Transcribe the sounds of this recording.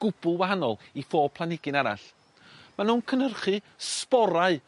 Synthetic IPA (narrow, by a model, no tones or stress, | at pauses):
ɡ̥ʊb̥ʊlˠwaɦanɔlˠifoːpʰlˠanɪɡɪnaɾa̰ɬ | manuːnkʰənərχi | spɔɾaɨ